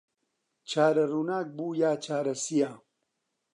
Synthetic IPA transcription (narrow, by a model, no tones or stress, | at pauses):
t͡ʃʰaːɾɐruːnaːk̚buːjaːt͡ʃʰaːɾɐsijaː